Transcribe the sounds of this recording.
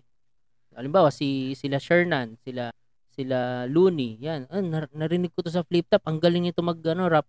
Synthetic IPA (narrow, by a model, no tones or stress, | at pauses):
ʔɐlɪmbaːwɐsɪsɪlaʃɛɹnansɪla | sɪlaluːnijannːɐnɐɾɪnɪɡ̚kot̪o̞s̬ɐflip̚t̪ap̚ʔɐŋɡɐlɪŋnɪt̪o̞mɐɡ̚ɐno̞ɾap̚